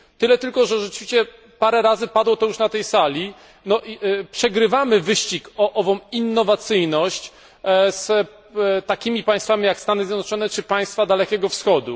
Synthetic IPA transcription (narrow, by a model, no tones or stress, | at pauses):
t̪ɘlɛt̪ɘlkɔʐɛʐɛt͡ʂɘvʲiɕt͡ɕɛ | paɾɛɾazɘpad̪wɔt̪ɔjuʂnat̪ɛjsalʲi | nɔʔipʂɛɡɾɘvamɘvɘɕt͡ɕikɔʔɔvɔ̃minːɔvat̪sɘjnɔɕt͡ɕ | s | t̪akʲimʲipaj̃st̪famʲijakst̪anɘzʲjɛd̪nɔt͡ʂɔnɛt͡ʂɘpaj̃st̪fad̪alɛkʲɛɡɔfsxɔd̪ṵ